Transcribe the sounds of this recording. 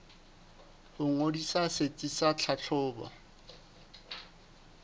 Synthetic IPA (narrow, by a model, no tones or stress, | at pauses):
hʊŋodisaset͡sʼisat͡ɬʰat͡ɬʰʊːba̰